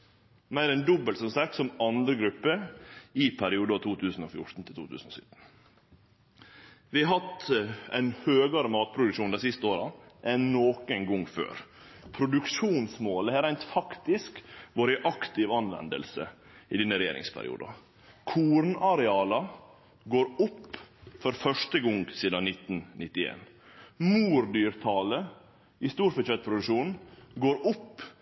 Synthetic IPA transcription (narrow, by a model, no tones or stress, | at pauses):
mæɪɾɛnd̪ɔbːəlt̪sɔmsɑk̚t̪sɔmɑnd̪ɾəɡɾʉpːəɪpʰæɾɪuːd̪əɑt̪ʰuːt̪ʰʉːsn̩ofjʊʈʈ̪n̩t̪ɪlt̪ṵːt̪ʰʉ̰ːsn̩o̰sʏ̰t̪n̩ | ʋɪɑhɑt̪æ̰ɪnhøːɡɑɾəmɑːt̪̚pʰɾʊd̪ʉkʂuːnd̪æsɪst̪əoːɾɑʔɛnoːkənɡʊŋfø̰ːɾ | pʰɾʊd̪ʉkʂuːnsmoːləhæɾæɪnt̪fɑkt̪ɪskʋoːɾəʔɑkt̪ɪʋɑnʋɛ̰nd̪ə̰lsə̰ | ɪd̪ɪnːəɾɛjḛːɾɪ̰ŋspʰæ̰ɾɪ̰ṵːd̪ɑ̰ | kʰuːɾnɑɾɛɑːlɑ | ɡoːɾʊpːfɔɾfœʂʈəɡɔŋsiːd̪ɑnɪt̪ːn̩nɪt̪ːɪḛːn | muːɾd̪yːɾt̪ʰɑːlə | ɪst̪uːɾfɔt͡ʃɛt̪̚pʰɾʊd̪ʉʂuːnɡoːɾʊpː